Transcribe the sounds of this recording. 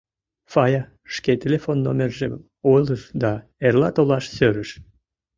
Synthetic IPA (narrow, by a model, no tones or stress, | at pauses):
fɑjɑ | ʃket̪ʲelʲefonːo̰mʲerʒem | ojləʃd̪ɑ | erlɑt̪olɑʃsøɾəʃ